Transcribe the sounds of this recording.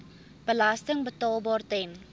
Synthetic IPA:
b̥əlastəŋbətɑːlˠbɑːrtɛn

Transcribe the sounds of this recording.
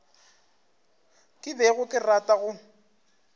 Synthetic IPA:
kʼɪbɛɣʊkʼɪratʼaɣʊ

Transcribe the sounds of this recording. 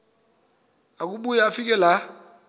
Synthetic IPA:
ak̬uɓujaːfikɛla

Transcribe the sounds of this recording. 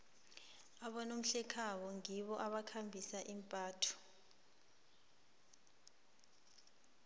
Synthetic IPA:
aɓɔnom̩ɬɛkʰaɓɔŋiɓɔʔaɓakʰambʱisaʔimpʼaːtʰɔ̥

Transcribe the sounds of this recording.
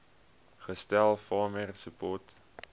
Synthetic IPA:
χəstælˠfɑːmərsəpɔrt

